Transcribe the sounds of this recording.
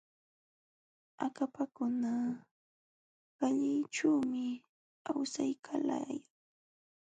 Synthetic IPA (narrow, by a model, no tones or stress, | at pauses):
akapakʊna | ɢaʎɪjʈ͡ʂuːmɪ | awsajkʰala̰jaŋ